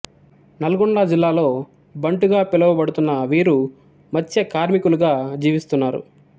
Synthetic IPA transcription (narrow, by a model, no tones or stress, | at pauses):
nɐlɐɡɔɳɖɐd͡ʒilːaːlo̞ː | bɐɳʈuɡaːpilɐʋɐbɐɽut̪unːɐʋiːɾu | mɐt͡ʃːɐkaːɾmikuluɡaːd͡ʒiːʋist̪unːaːɾṵ